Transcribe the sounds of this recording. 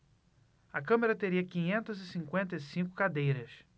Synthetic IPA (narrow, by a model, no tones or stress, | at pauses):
ɐkɐ̃meɾɐt̪eɾiɐkĩɲẽnt̪ɐzɪsĩŋkwẽnt̪ɐisĩŋkʊ̥kad̪ejɾɐs